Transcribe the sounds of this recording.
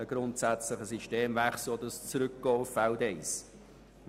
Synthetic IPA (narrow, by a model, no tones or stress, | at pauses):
əɡ̥ɾʊntsæt͡slɪχəsiʃteːmvæχslodəst͡sɾʏkɡ̥ɔːffaʊdɛɪs